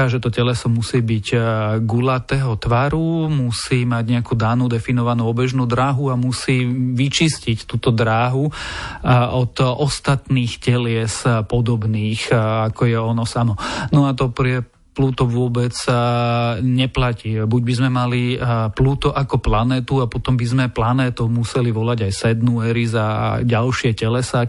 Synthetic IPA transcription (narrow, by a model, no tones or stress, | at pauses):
aʒɛt̪ɔcɛlɛsɔmusiːbiɟɡulat̪ɛːɦɔt̪ʋaɾumusiːmaɟɲɛakuːd̪aːnud̪ɛfinɔʋanuɔbɛʒnuːd̪ɾaːɦuamusiːʋit͡ʃiscict̪uːt̪ɔd̪ɾaːɦu | ɔd̪ɔst̪at̪niːxcɛlɪɛspɔd̪ɔbniːxakɔjɛɔnɔsamɔnɔat̪̬ɔpɾɛ | pluːt̪ɔʋʊɔbɛt͡s | ɲɛplacibuɟbizmɛmalipluːt̪ɔʔakɔplanɛːt̪uapɔt̪ɔmbizmɛplanɛːt̪ɔʊmusɛliʋɔlaɟajsɛd̪nuɛɾizaɟalʃɪɛcɛlɛsa